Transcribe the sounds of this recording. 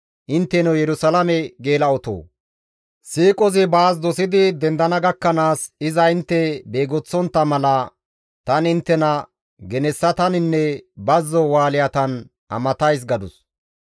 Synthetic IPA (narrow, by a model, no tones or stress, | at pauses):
ʔɪnt̪ːɛnɛwjɛɾʊsɐlɐmɛɡeːlɐɔt̪o̰ː | siːkʼɔzɪbaːs̬d̪ɔsɪd̪ɪd̪ɛnd̪ɐnɐɡɐkːɐnaːsɪzɐɪnt̪ːɛbeːɡɔt͡sːɔnt̪ːɐmɐlɐ | t̪ɐnɪnt̪ːɛnɐ | ɡɛnɛsːɐt̪ɐnɪnːɛbɐzːɔwaːlɪjɐt̪ɐn | ʔɐ̰mɐt̪ɐjs̬ɡɐd̪ʊs